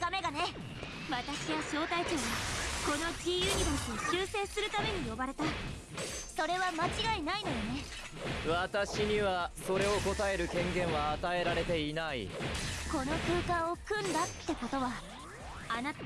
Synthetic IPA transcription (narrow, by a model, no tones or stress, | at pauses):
ɡ̥ame̞ɡane̞ | βat̪aɕiβaɕo̞ːt̪ait͡ɕoːmako̞no̞d͡ʑijɯːɲ̟ʲibotoɕɨːse̞ːsɨɾɯ̟t̪ame̞ɲ̟ijo̞baɾe̞t̪a | so̞ɾe̞βamat͡ɕiɡainaino̞jone̞ | βat̪aɕiɲ̟iβaso̞ɾe̞o̞ko̞t̪ae̞ɾɯ̟kẽ̞ŋɡẽ̞ɰ̃βaːt̪ae̞ɾaɾe̞t̪e̞inaḭko̞no̞kɯ̟ːkãɰ̃o̞kɯ̟̃nd̪at̪ːe̞ko̞t̪o̞βa | ana